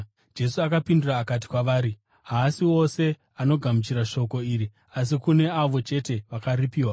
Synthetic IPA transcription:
d͡ʒe̞suakapinduraːkat̬i̥kwaʋaːɾi | ɦaːsiwo̞se̞ | ano̞ɡʱamut͡ʃiɾaʃo̞ko̞iːɾi | as̬ikune̞aʋo̞t͡ʃe̞te̞ʋakaɾipiːwa

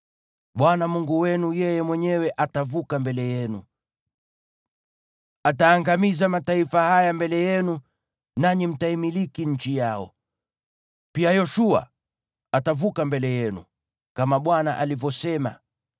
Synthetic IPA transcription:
ɓwanamuŋɡuwɛnujɛjɛmwɛɲɛwɛʔatavukambɛlɛjɛnṵ | ataːŋɡamizamataifahajambɛlɛjɛnu | naɲim̩taimilikiɲ̩t͡ʃijaɔ̰ | piajɔʃua̰ | atavukambɛlɛjɛnṵ | kamaɓwana̰ʔalivjɔsɛma̰

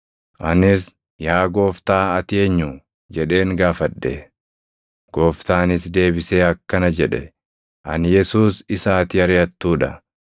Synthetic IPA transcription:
ʔɐnɪs | jaːɡo̞ːft̪aːɐt̪ɪeːɲːu | d͡ʒɛᶑe̞ːŋɡaːfɐᶑːɛ̰ | ɡ̥o̞ːft̪aːnɪsd̪e̞ːbɪseːɐkːɐnɐd͡ʒɛᶑɛ̰ | ʔɐnjɛsuːsɪsaːt̪ɪɐɾɪjɐt̪ːuːᶑɐ

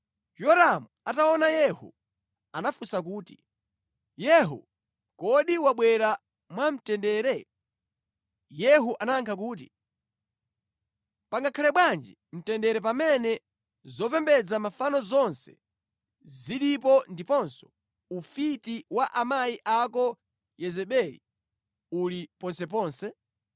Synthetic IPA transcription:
jɔɾamuataɔnajɛhṵ | anafusak̬uːtḭ | jɛɦṵ | kɔɗiwaɓwɛɾa | mwam̩tɛndɛːɾɛ | jɛɦuʔanaŋkʰak̬uːt̬i | paŋɡakʰalɛɓwand͡ʒi | m̩tɛndɛɾɛp̬amɛnɛ | zɔpɛmbɛd͡zamafanɔzɔnsɛ̥̰ | ziɗip̬ɔndipɔnsɔ̥ | ufitiwaʔamaiʔakɔ | jɛzɛɓɛlḭ | ulipɔnsɛp̬ɔːnsɛ

